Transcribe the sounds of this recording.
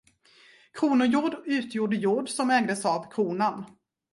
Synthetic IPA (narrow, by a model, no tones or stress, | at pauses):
kʰɾuːnʊjuːɖʉ̟ːt̪ʰjuːɖəjuːɖsɔmɛːɡd̪əsavkʰɾuːnan